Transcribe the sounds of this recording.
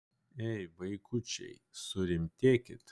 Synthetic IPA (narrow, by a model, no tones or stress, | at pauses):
ɛɪʋɐɪkʰʊt͡ʃʲɛ̰ɪsʊɾʲɪmʲt̪ʲeːkʲɪ̰t̪